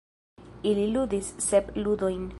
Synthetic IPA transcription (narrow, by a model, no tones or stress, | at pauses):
ililudisːebludo̞jn